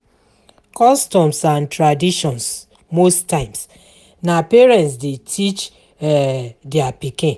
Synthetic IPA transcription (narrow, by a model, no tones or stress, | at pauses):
kɔstɔ̃msãntɹadiʃɔ̃ns | mostːãɪ̃ms | napeɹɛ̃ntsdetʰit͡ʃ | ɛdɛapikɪ̃n